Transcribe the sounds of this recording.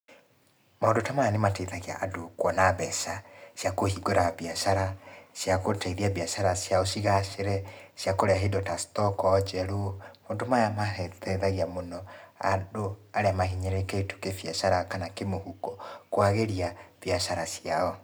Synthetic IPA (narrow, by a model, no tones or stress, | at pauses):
maondotamajanemateiðaɣia̰ʔadokwɔnaβɛsasjakohiɡoɾaβiaʃaɾaʃjakotaiðiaβiaʃaɾasjaɔʃiɣaʃeɾɛsjakoɾeaɦedɔtastɔkɔːd͡ʒɛɾumoːndomajamaɛðɛðaɣiamonɔa̰doaɾeamaɦiɲɛɾeketu̥kefjaʃaɾakanakemohukɔkwaɣeɾiaviaʃaɾasiaɔ